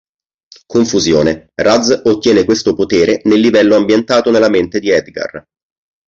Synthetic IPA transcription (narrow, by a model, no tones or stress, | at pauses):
koɱfuzjo̰ːnerad̪zot̪ːjɛːnekwest̪opot̪eːɾenelːivɛlːoambjent̪aːt̪onelːament̪ed̪iɛd̪ɡa̰r